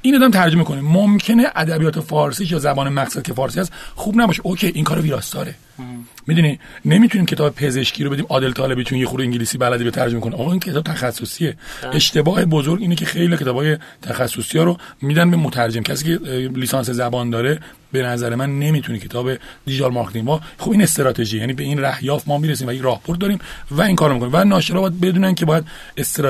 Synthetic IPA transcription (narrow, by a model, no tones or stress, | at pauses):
iːnɒːd̪æmt̪ʰæɾd͡ʒo̞mekʰonemomcʰe̞neʔæd̪æbijɒːt̪ʰe̞fɒːɾsiːʃ̬jɒːzæbɒːnemæɡsæd̪̚cʰe̞fɒːɾsiːhæst̪xuːbnæbɒːʃeʔocʰeʔiŋkɒːɾeviːɾɒːst̪ɒːɾe̞ | mid̪unine̞mit̪ʰuniːmcʰe̞t̪ɒːbepʰe̞ze̞ʃcʰiːɾo̞beimɒːd̪e̞lt̪ʰɒːle̞bit͡ʃʰunjexuɾeiːŋɟiliːsiːbælæd̪ibet̪ʰæɾd͡ʒomekʰoniɒːɣɑːincʰet̪ɒːbet̪ʰæxæsːosie̞e̞ʃt̪e̞bɒːhe̞bozoɾɟiːnecʰexe̞jliɒcʰet̪ɒːbɒːje | t̪ʰæxæsːosijɒːɾomiːd̪ænbe̞mot̪ʰæɾd͡ʒemcʰæs̬iːceliːsɑːnse̞zæbɒːnd̪ɒːɾe | be̞næzæɾemænːe̞mit̪ʰunicʰe̞t̪ʰɒːbe̞d̪id͡ʒɑlmɑɾkt̪inbɒːxobine̞st̪eɾɒːt̪ʰe̞ʒiːejæːnibeinræhjɒːfmɒːmiɾes̬iːmvæjekɾɒːhbʰoɾd̪d̪ɒːɾiːmvæiːŋkʰɒːɾomikonimvænɒːʃeɾɒːbɒjæd̪̚be̞d̪uːnænkʲʰe̞bɒːjæd̪ | est̪eɾ